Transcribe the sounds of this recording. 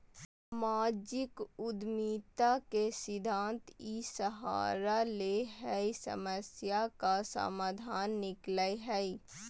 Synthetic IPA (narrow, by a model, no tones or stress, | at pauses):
maːd͡ʒɪkʊd̪miːt̪akesɪd̪ʱãːnt̪isəɦa̰ːɾaleɦɛisə̰məsjakasa̰maːd̪ʱaːnːɪkləjɦɛi